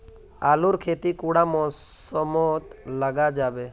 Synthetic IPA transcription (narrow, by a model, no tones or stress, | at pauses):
aluɾkʰet̪ikuɽamɔ̃sɔmɔt̪ləɡad͡ʒaːbe